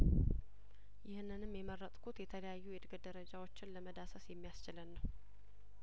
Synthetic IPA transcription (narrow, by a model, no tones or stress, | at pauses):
jɪhnːɨnɨmːjɛmərːət̪ʼkʰut̪jɛt̪ʰələjajːujɛd̪ɡəd̪əɾəd͡ʒawo̞t͡ʃːɪnləməd̪asəsjɛmːijast͡ʃɪlənːəw